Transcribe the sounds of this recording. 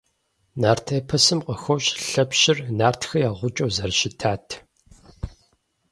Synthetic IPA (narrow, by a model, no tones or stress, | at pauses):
naːrtʰeːpʰɐsɨmqəxʷɔwɕʼɬɐpɕɪrnaːrtʰxɐjaːʁʷʊt͡ʃʼowzɐrɕɪtʰaːtʰ